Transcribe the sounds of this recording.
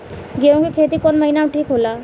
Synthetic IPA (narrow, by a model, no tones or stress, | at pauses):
ɡeɾõkikʰeːt̪ikɔːnmɐɦinaʈʰiːkɦoːlaː